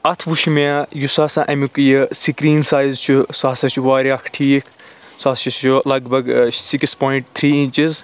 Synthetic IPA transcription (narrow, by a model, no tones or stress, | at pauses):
ɐt̪ʰʋuʃmajusaːsãːʔɐmikujɨsikɾiːnsaːjzt͡ʃʰusaːsɐt͡ʃʰuʋaːɾaːkʰʈʰiːkʰ | saːt͡ʃɐulɐɡbɐɡsikspoːiɳʈ̚t̪ʰɾiːint͡ʃiz